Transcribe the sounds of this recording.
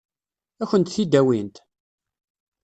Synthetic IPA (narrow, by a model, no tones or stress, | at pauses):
æçənt̪θid̪æwint̪